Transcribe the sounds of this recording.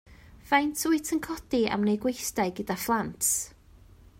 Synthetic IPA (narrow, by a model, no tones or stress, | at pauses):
v̥ajntʰuɨtʰənkʰɔd̥ia̰mnejɡwejsdajɡədaflˠantʰ